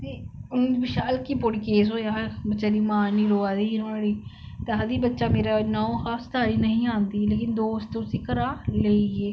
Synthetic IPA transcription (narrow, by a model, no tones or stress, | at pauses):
t̪eːʊñːd͡ʒbɪʃaːlkiːpoːɽiːkeːs̬ɦoːjaːɦbətːʃaːɾiːmãːniːɾoːaːd̪iːɾoːaːɽiː | t̪eɦad̪iːbətːʃaːmeːɾaːnaːõːxaːst̪aːɽiːnəɦĩːãːnd̪iːleːkɪnd̪oːsʊsiːkəɾaːleieː